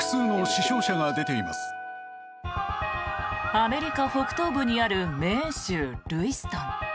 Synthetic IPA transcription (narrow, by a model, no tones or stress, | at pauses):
ɯ̥sɨːnoɕiɕo̞ːɕaŋad̪e̞t̪e̞ima̰sɨ̥ | ame̞ɾʲikaho̞kɯ̟̥t̪o̞ːbɯɲ̟iaɾɯ̟mẽ̞ɰ̃ɕɨːɾɯ̟isɨ̥t̪ãŋ